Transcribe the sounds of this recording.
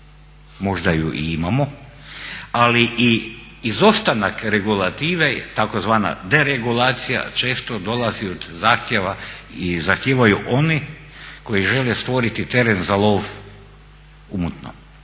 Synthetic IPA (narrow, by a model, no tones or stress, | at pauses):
mo̞ʒd̪ajuʔḭimamo | aliʔi | izost̪anakɾe̞ɡulˠat̪iːʋet̪akozʋaːna̰d̪e̞ɾeɡulˠaːt̪sija̰t͡ʃe̞ːst̪od̪o̞lˠaziod̪zaːxt̪jeʋaizaxt̪jeːʋajuʔoni | ko̞jiʒelest̪ʋo̞ɾit̪it̪e̞ɾenzalˠo̞ʋ | umut̪no̰m